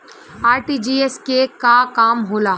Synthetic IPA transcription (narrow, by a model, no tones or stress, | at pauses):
aːɾʈid͡ʒiːeskekakaːmɦoːlaː